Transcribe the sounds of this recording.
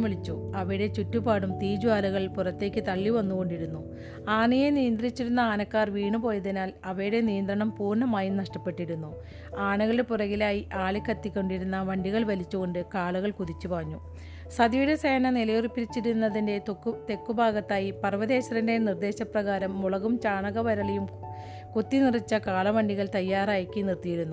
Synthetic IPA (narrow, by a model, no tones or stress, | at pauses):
miɭit͡ɕːuɐʋɐjɽe̞t͡ɕutːubaːɽumt̪iːd͡ʑuaːluɣɐɭpurɐt̪ːe̞ːkʲːɨt̪ɐɭːiʋɐnːuɣo̞ɳɖiɾunːu | aːɳijenijɐnd̪rit͡ɕːiɾunːɐaːnɐkːaːrʋiːɳupo̞ːjɐðinaːlɐʋɐjuɽe̞nijɐnd̪rɐɳɐmpuːrnɳɐmaːjinɐʂʈɐpːe̞ʈːiɾunːu | aːɳɐɣɐɭepurɐɣilaːjiʔaːɭikʲːɐt̪ːikʲːo̞ɳɖiɾunːɐʋɐɳɖiɣɐɭʋɐlit͡ɕːuɣo̞ɳɖɨkaːɭuɣɐɭkuðit͡ɕːupɐrɐɲːu | sɐd̪juɾɐseːnɐnilɐjoripːiɾit͡ɕːiɾunːɐðinde̞t̪ːt̪e̞kːubʱaːɡɐt̪ːaːjipɐrʋɐðe̞ːɕɐɾɐnde̞nird̪e̞ːɕɐprɐɣaːɾɐmːuɭɐɣumt͡ɕaːɳɐɣɐʋɐɾɐɭɐjum | kot̪ːinirit͡ɕːɐkaːɭɐʋɐɳɖiɣɐɭt̪ɐjːaːraːjɐkʲːinirt̪ijiɾunːu